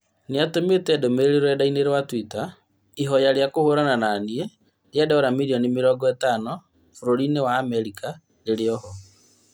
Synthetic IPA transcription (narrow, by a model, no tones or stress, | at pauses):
neatometɛdomeɾeɾeɾwɛdaineɾwatwita | iɦɔjaɾjakohoɾanananie | ɾjadɛɔɾamiɾiɔnimeɾɔɡɔɛtanɔ | foɾoɾinewaːmɛɾika | leɾeɔhɔ